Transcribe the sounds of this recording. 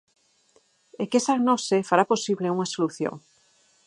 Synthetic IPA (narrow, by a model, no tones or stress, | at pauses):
ekesaɡnɔsefaɾaposiβleuŋasoluθjo̰ŋ